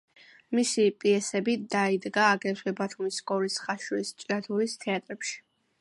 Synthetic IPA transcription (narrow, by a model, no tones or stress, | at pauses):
misipʼiɛsɛbid̪aid̪ɡaːɡɛt̪ʰwɛbat̪ʰumiskʼɔɾisχaʃɾist͡ʃʼɾat̪ʰuɾist̪ʰɛat̪ʼɾɛpʃi̥